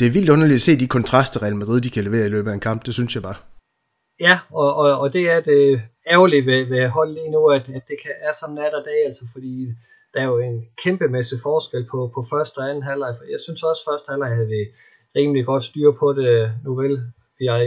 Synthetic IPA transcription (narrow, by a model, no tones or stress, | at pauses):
d̥e̝æɐʋild̥ɔ̽nɐlid̥æse̝̰ːd̥ikʰɒ̽nt͡sʰʁɑ̈sd̥ɐʁɛælmæd̥ʁið̰ˠd̥ikʰæleʋe̝̰ːɐilø̰ːb̥əæenkʰɑ̈m̰b̥̚d̥e̝synsjɑ̈ɪb̥ɑ̈ː | jæɒ̽ɒ̽ːd̥e̝æɐd̥e | æʊliʋeʋeɦɒ̽l̰liːnuæd̥æd̥ːe̝kʰæʔːɐsɒ̽nnæɾ̥ɐd̥ɛ̰ːæl̰sɐfɒ̽d̥ḭː | d̥æɐjo̝e̝nkʰemb̥əmesifɒːsɡ̥el̰pʰɒ̽pʰɒ̽fɶɐsd̥ɒænn̩ɦælɑ̈ɪfɒd̥iːjɑ̈ɪsynsɒ̽sfɶɐsd̥hælɑ̈ɪ̰hæʋi | ʁiːmliɡ̥ɒ̽d̥sd̥yːɐpʰɒ̽d̥e̝nuʋel | ʋiɑ